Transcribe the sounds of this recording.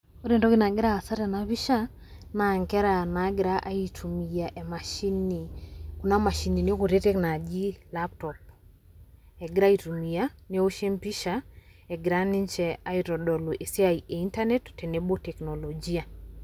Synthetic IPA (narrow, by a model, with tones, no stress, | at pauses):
o˦ɾe˨ndɔ˦ki˦na˨ɡɪ˦ɾaː˦˨sa˦ɾɛ˨na˨βi˦ʃa˦ | na˨ŋkɛ˦ɾa˨na˨˦ɡɪɾa˦ʔa˦i˨tʰu˨mi˨ja˨ʔe˨ma˨ʃi˦ni˨ku˨na˦ma˨ʃi˨ni˨ne˦o˦ko˨ɾe˦te˦kna˨d͡ʒi˦lap̚tɔ˨p̚ | ɛ˨ɡɪ˦ɾa˦i˨tu˨mi˨ja˦ne˦o˦ʃe˦mpi˦ʃa˦ | ɛɡɪ˨ɾa˦ni˦ɲt͡ʃɛ˨a˦iɾɔ˨dɔ˨lu˨ʔe˨si˦a˨iʔe˨i˦nta˦nɛ˦ttɛ˨ne˨bo˦tɛ˨knɔ˨lo˨d͡ʒi˦a˨